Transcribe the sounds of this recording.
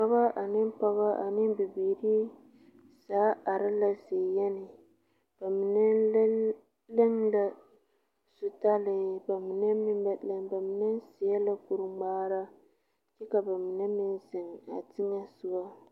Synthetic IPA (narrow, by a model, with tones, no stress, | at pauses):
pa˦ba˦ʔa˨nɪ˦m˦pa˦βa˦ʔa˨nɪ˦bi˨biː˨ɾi˦ | saː˨˦a˨ɾɪ˦la˦zeː˨jɛ˦nɪ˨ | b̥a˨mi˨nɛ˦ | lɪ˦ŋla˦ | su˦˨ta˦lɪ˨ba˨mi˨nɛ˦mi˦mba˨lɛ˦ŋba˨mi˨nɛ˦n˦si˨ja˦la˦ku˨ɾɨ˦ŋ͡maː˦ɾa˦ | t͡ʃɛ˦ka˨ba˨mi˨nɛ˦mi˦nzɪ˨ŋa̰˨tɪ˦ɲa˦sʊ˦ba˦